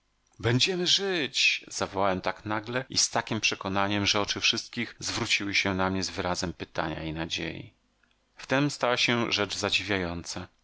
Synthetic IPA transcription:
bɛɲd͡ʑɛmɘʐɘt͡ɕz̥avɔwawɛmt̪aknaɡlɛist̪akʲimpʂɛkɔnaɲɛmʐɛɔt͡ʂɘfʂɘst̪̚kʲixzvɾut͡ɕiwɘɕɛnamɲɛzvɘɾazɛmpɘt̪a̰ɲa̰inad͡ʑḛjḭ | ft̪ɛmst̪awaɕɛʐɛd͡ʐzad͡ʑivʲjajɔnt̪sa

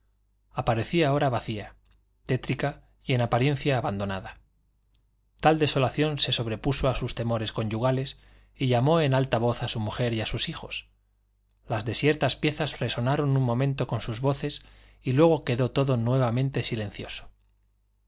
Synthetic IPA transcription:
apaɾe̞θiao̞ɾaβaθia | t̪e̞t̪ɾika | je̞napaɾje̞n̟θjaːβand̪o̞naða | t̪ald̪e̞so̞laθjo̞nse̞so̞β̞ɾe̞puso̞asust̪e̞mo̞ɾe̞sko̞ɲʝuɣ̞ale̞s | iʎamo̞e̞nalt̪aβ̞o̞θasumuxe̞ɾiasusixo̞s | lazðe̞sje̞ɾt̪aspje̞θazre̞so̞naɾo̞nunmõ̞mẽnt̪o̞ko̞nsuzβo̞θe̞s | ilwe̞ɣ̞o̞ke̞ðo̞t̪o̞ðo̞nwe̞β̞amẽ̞nt̪e̞sile̞nθjo̞so̥

